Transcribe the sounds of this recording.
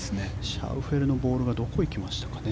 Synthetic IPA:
sɨneɕa̰ɯ̟ɸe̞ɾɯ̟no̞bo̞ːɾɯ̟ɡad̪o̞ko̞ikʲimaɕi̥t̪ḁkḁne

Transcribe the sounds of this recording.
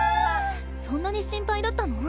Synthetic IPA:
sõ̞nːaɲ̟iɕĩmpaid̪at̪ːano

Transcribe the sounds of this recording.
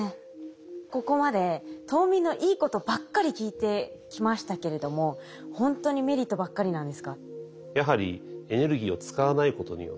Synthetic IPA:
e | ko̞ko̞mad̪e̞t̪o̞ːmʲĩnːo̞ʔiːko̞t̪o̞bakːaɾʲikʲiːt̪e̞kʲimaɕi̥t̪ake̞ɾe̞d̪o̞mo̞ | hõ̞nt̪o̞ɲ̟ime̞ɾʲit̪ːo̞bakːaɾʲinãnd̪e̞sɨ̥ka | jaɦaɾʲḭe̞ne̞ɾɯ̟ɡʲiːo̞t͡sɨ̥kaβanaiko̞t̪o̞ɲḭjo̰

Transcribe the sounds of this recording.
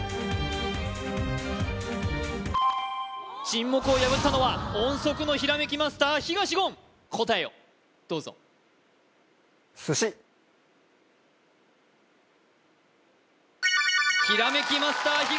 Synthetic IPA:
t͡ɕĩmːo̞kɯ̟o̞jaβɯ̟t̪ːano̞βaõɰ̃so̞kɯ̟no̞çiɾame̞kʲimasɨ̥t̪aːçiɡaɕiɡõ̞ŋ | kʰo̞t̪aeo | d̪̥o̞ːzo̞̰ | sɨɕi | çiɾame̞kʲimasɨ̥t̪aːçi

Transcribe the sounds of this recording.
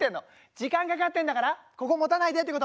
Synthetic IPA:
t̪ːẽ̞nːo | d͡ʑikãŋkakat̪ːend̪akaɾako̞ko̞mo̞t̪anaid̪et̪eekot̪

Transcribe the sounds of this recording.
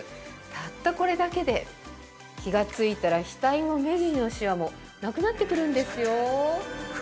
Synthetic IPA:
t̪ʰat̪ːako̞ɾe̞d̪ake̞d̪e̞ | kʲiɡat͡sɨit̪aɾaçʲi̥t̪ainome̞ʑĩno̞ɕiβamo̞ | nakɯ̟nat̪ːe̞kɯ̟ɾɯ̟̃nd̪e̞sɨjo̞

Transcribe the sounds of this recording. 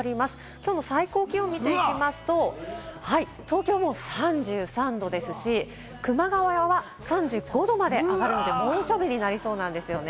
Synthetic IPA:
ɾʲimasɨ̥ | kʲoːno̞saiko̞ːkʲio̞mʲit̪e̞ikʲimasɨ̥t̪o̞hai | t̪o̞ːkʲo̞ːmo̞sãɲd͡ʑɨːsãnd̪o̞d̪e̞sɨɕi | kɯ̟maɡaβajaβa | sãɲ̟d͡ʑɨːɡo̞d̪o̞mad̪e̞ʔaɡaɾɯ̟no̞d̪e̞moːɕo̞bʲiɲ̟inaɾʲiso̞ːnãnd̪e̞sɨjo̞ne

